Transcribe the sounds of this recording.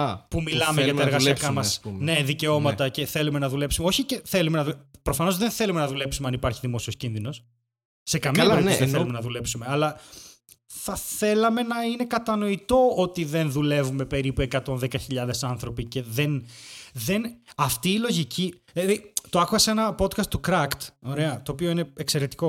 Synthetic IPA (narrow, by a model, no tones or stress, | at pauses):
pumilɐmeʝɐɐeɾɣɐssiɐkɐmɐsne̞ðice̞o̞mɐt̪ɐce̞θe̞lume̞nɐðule̞psumeo̞çiceθe̞lume̞nɐðupɾo̞fɐno̞zðe̞nθe̞lumenɐðule̞psumeɐnipɐɾçiðimo̞sio̞scinðino̞sː | e̞kɐmiɐiðeθelumenɐðule̞psume̞ɐlɐ | θɐθe̞lɐme̞nɐine̞kɐt̪ɐno̞it̪o̞ot̪iðe̞nðule̞vume̞pe̞ɾipue̞kɐt̪o̞nðekɐçiʎɐðe̞sɐnθɾo̞pice̞ðe̞nðe̞nɐft̪iːlo̞ʝicʰi | ɐðit̪oɐkuɣɐsenɐpo̞d̪kɐst̪ːukɾɐkt̪o̞ɾe̞ɐt̪o̞ːpioine̞ekse̞ɾe̞t̪i̥ko̞